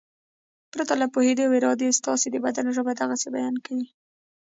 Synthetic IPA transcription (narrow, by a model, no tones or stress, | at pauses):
pɾat̪alapohed̪oaweɾɑd̪est̪ɑsed̪əbad̪anʒəbad̪aɣasebajɑnkawi